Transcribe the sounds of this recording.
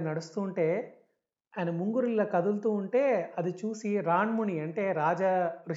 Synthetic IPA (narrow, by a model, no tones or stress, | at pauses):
nɐɽust̪uːɳʈe̞ː | ɐjnɐmuŋɡuɾilːɐkɐd̪ult̪uːɳʈe̞ːɐd̪it͡ʃuːsiɾaːɳmuɳiɐɳʈe̞ːɾaːd͡ʒɐɾu